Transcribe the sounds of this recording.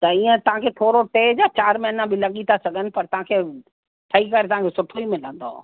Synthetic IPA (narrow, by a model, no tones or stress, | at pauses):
t̪ɐiə̃t̪ɐʋ̤ãkʰet̪ʰoːɾoʈeːd͡ʑat͡ɕaːɾmẽɐnãbɪlɐɠit̪ʰasɐɡʱənɪ̆pɐɾt̪ɐʋ̤ãkʰeː | ʈ̪ʰɐikɐɾet̪ɐɦãkʰeːsʊʈʰoimɪlə̃nd̪o̰ː